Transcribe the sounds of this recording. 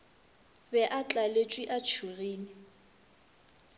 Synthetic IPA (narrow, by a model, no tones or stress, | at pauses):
bɛʔat͡ɬʼalet͡ʃʼwiʔat͡ʃʰuɣiːnɪ